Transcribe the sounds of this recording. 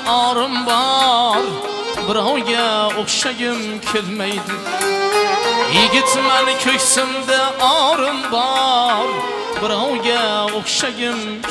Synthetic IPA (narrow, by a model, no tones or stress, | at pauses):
ɑɾɪmbɑɾ | bɪɾɑwɡʲaoχʃaɡʲɪm | kʲʰelmajd̪ɪ | jeɡʲɪt̪manɪkʲʰɵkʲsɪmd̪aɑɾɪmbɑɾ | bɪɾɑwɡʲaoχʃaɡʲɪm